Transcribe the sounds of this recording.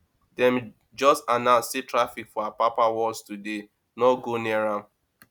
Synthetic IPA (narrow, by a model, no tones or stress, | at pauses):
d̥ɛ̃m | d͡ʒɔstanãsetɾafikfɔapapawɔlstude | nɔɡoniaɾã